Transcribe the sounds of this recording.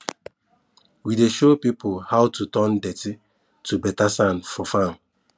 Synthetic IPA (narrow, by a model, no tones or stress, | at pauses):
wideʃopipʰolhawtutɔ̃ndɛti | tʰubɛtasãnfɔfãm